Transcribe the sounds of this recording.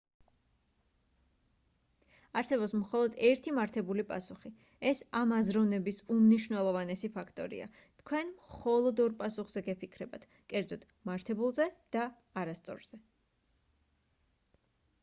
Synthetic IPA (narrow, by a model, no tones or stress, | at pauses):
aɾsɛbɔpsmχɔlˠɔd̪ɛɾt̪ʰimaɾt̪ʰɛbulipʼa̰suχi | ɛsamazɾɔvnɛbisumniʃwvnɛlˠɔvanɛsipʰakʰt̪ʼɔ̰ɾḭa̰ | t̪ʰkʰwɛnmχɔlˠɔd̪ɔɾpʼasuχz̥ɛɡɛpʰikʰɾɛbat̪ʰ | kʼɛɾd̪zɔt̪ | maɾt̪ʰɛbulˠzɛd̪̥aː | ɾast̪sʼɔ̰ɾz̥ɛ